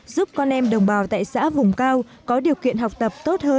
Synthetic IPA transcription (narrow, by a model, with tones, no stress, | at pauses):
zu˦˥p̚kɔ˧nʔɛ˧mɗə˨˩wŋ͡mɓaː˨˩wt̪a̰ː˧˨jsa̰ː˧˥vʊ˨˩ŋ͡mkaː˧w | kɔ˨˦ɗi˨˩əwkḭ˧˨ənɦa˨˩wk͡p̚t̪ə˨˩p̚t̪o˦˥t̚həː˧